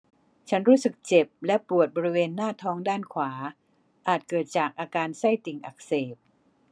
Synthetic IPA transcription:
t͡ɕʰa˦˥nɾuː˦˥sɯ˨˩k̚t͡ɕe˨˩p̚lɛ˦˥pu˨˩ət̪̚bɔː˧ɾi˦˥weː˧nːaː˥˩t̪ʰɔː˦˥ŋdaː˥˩nkʰwaː˩˦ | ʔaː˨˩t̪̚kɤː˨˩t̪̚t͡ɕaː˨˩k̚ʔaː˧kaː˧nsa˥˩jt̪i˨˩ŋʔa˨˩k̚seː˨˩p̚

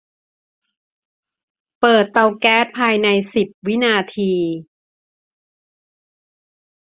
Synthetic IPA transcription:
pɤː˨˩t̪ːa˧wkɛː˦˥t̪̚pʰaː˧jna˧jsi˨˩p̚wi˦˥naː˧t̪ʰiː˧

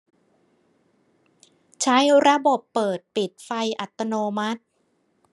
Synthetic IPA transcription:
t͡ɕʰa˦˥jɾa˦˧bo˨˩pːɤː˨˩t̪̚pi˨˩t̪̚fa˧jʔa˨˩t̪ːa˧noː˧ma˦˥t̪̚

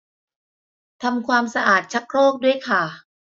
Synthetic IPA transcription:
t̪ʰa˧mkʰwaː˧msa˧ʔaː˨˩t̪̚t͡ɕʰa˦˥k̚ɾoː˥˩k̚du˥˩əjkʰa˥˩

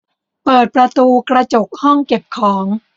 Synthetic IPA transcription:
pɤː˨˩t̪̚pɾa˧t̪uː˧kɾa˧t͡ɕo˨˩k̚hɔ˥˩ŋke˨˩p̚kʰɔː˩˦ŋ

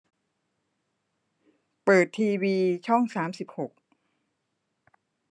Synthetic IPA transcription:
pɤː˨˩t̪ʰːiː˧wiː˧t͡ɕʰɔ˥˩ŋsaː˩˦msi˨˩p̚ho˨˩k̚

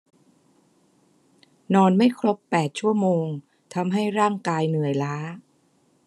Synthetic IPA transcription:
nɔː˧nma˥˩jkʰɾo˦˥pːɛː˨˩t̪̚t͡ɕʰu˥˩əmoː˧ŋ | t̪ʰa˧mɦa˥˩jɾaː˥˩ŋkaː˧jnɯ˨˩əjlaː˦˥

